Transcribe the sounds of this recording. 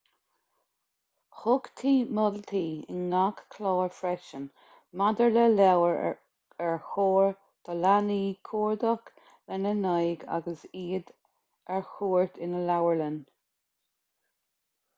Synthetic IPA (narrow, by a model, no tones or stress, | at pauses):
hʊɡt̪ʰiːməlt̪ʰiːɪ̰nːakkʰlɔːɹfɾɛʃən | mad̪əɹlɛlɛwəɹ | ɛɹxoːɹ | d̪̥əlaniːkʰuːɹd̪ɔk | lɛnənɑjɡa̰ɡəsiːd̪ | ɛɹxuːɹt̪ʰɪnəlawəɹlən